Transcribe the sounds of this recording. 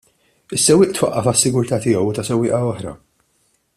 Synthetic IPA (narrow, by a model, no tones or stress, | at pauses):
ɪsːɛwːɪːʔt̪wɐʔːɐfɐsːɪɡʊɾt̪ɐːt̪ɪjɛwt̪ɐsɛwːɪːʔɐɔħɾɐ̰